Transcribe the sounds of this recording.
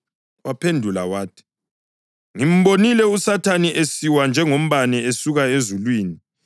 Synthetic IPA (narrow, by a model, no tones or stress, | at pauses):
wapʰendʱula̰waːtʰi̥ | ŋim̩βonilɛusatʰaniʔesiwand͡ʒʱɛŋom̩βaniesuɣaezulwiːni